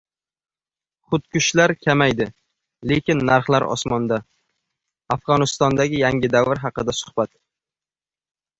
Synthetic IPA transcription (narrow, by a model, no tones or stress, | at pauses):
χʊt̪̚kʰʊʃlaɾkʲʰamajd̪ɪ | le̞kʲɪnːaɾχlaɾɒ̰smɒnd̪a | afʁɒnɪst̪ɒnd̪aɡʲɪjaŋʲɪd̪avɪɾɦɑqɨd̪asʊ̥hb̥at̪